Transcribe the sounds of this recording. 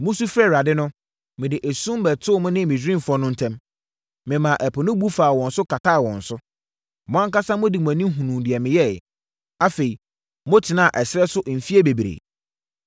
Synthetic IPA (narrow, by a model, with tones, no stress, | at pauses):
mʊ̃˦su˦fɾɛ˦ɾa˨dɪ˦nʊ̃˦ | mɪ̃˨dɪ˨ʔe˨sũ˦m˦bɛ˨tʰʊː˦mʊ̃˦nɪ̃˦˨mɪ̃˨d͡ʑᶣɾɪ̃˦˨fɔ˦nʊ̃˦n̩˦tʰɛ̃˦m | mɪ̃˨mã˨ʔɛ˨pʰʊ˨nʊ̃˦bu˦faː˨wɔ̃˨n̩˨sʊ˦kʰa˨tʰa˦˨wɔ̰̃˨n̩˨sʊ˦ | mɔ̃˨ã˦ŋka˦sã˦mʊ̃˦di˨m˨æ̃˨nĩ˦ɦũ˨nũ˨dɪ˨ɛ˨mɪ̃˨jɛ˦˨ | a˦fe˨i˨ | mʊ̃˦tʰɪ˨nã˦a˨ʔɛ˨sɪ˦ɾɛ˦sʊ˦ʔm̩˨fi˦e˦be˨bi˨ɾḛ˨